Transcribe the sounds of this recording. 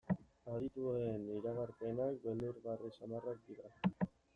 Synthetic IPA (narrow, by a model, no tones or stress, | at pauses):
aðit̪ueniɾaɣaɾpe̞nak̚beld̪uɾɣarisamarak̚d̪iɾa